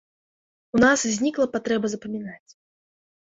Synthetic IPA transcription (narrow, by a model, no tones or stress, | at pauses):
unaszʲnʲiklˠɐpat̪ɾɛbɐzɐpɐmʲinat͡sʲ